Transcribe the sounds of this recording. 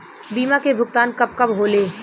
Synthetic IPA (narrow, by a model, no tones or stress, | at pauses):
biːmakebʱʊɡ̚t̪aːnkɐb̚kɐbɦoːleː